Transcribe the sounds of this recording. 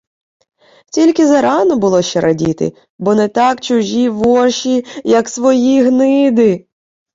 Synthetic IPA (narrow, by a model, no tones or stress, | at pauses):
tʲilʲkɪzɐɾɑnɔbʊlˠɔʃt͡ʃɛɾʔɐdʲit̪ɪ̰ | bɔnɛt̪ɑkt͡ʃʊʒiʋɔʃijɐksʋɔjiɦnɪd̪ɪ